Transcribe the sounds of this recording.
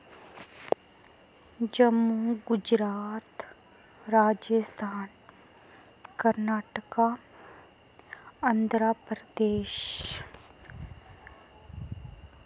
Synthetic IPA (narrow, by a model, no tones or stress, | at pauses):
d͡ʒəmːuɡʊd͡ʒɾaːt̪ | ɾaːd͡ʒəst̪ʰaːn | kəɾnaːʈəka | ɐnd̪ʱɾapɾəd̪eːʃ